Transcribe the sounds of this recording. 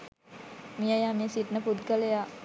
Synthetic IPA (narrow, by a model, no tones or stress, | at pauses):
mijajaːmisiʈnəpud̪ɡəleja